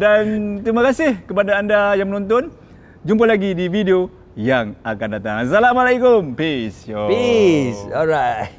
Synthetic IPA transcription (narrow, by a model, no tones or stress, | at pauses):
dant̪ɾimakasɪhkəpadaːndajaŋmənɔ̃nt̪ɔn | d͡ʒump̬alaɡidivideo | jaŋakandat̪a̰ŋs̬alamalajkʊmpisɔpisɔlɹat